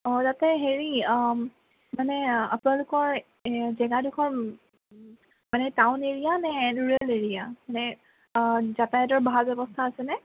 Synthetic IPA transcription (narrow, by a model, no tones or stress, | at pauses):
ɔtatɛɦeɹi | manɛa̰pʊnalʊkɔɹ | zɛɡadukʰɔɹ | manɛtawneɹijanɛnuɹɛleɹijamanɛ | zatajɔtɔɹbʱalbɛbɔstʰaːsɛnɛ